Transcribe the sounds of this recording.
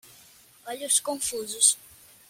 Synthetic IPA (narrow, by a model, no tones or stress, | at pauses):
ɔʎʊskõfuzʊs